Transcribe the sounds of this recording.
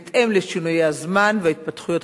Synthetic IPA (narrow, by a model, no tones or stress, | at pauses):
t̪ʔemleʃinujeazmanveait̪̚pat̪χujo̞t